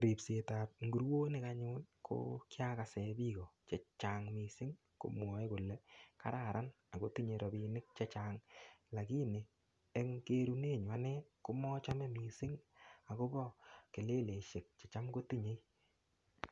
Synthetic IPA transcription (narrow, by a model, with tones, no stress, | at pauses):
ɾi˨pse˨ta˨t̚ŋɡu˨ɾwo˦nɪ˦ka˧ɲʊ˦lkʰo̰˦kja˦ka˨sɛ˨˦bi˦kɔ˨t͡ʃe˨t͡ʃa˨ŋmi˨sɪ˦ŋ | ko̰˨mwɔ˨˦jkʊ˨lɛ˨ka̰˦ɾa˨ɾa˦n | a˨ko˦ti˦ɲe˨˧ɾɔ˨bi˨nɪ˦k̚t͡ʃe˦t͡ʃa˨ŋla˨ki˦neː˨˦ | ŋke˦ɾu˦ne˦˨ɲwa˦nɛ˦kʊ˦mɔ˦t͡ʃa˦mɛ˦mi˨sɪ˦ŋa˨ko˦bɔ˦ke˨le˦le˨ʃe˨k̚t͡ʃe˨t͡ʃa˦mko˦ti˦ɲe˦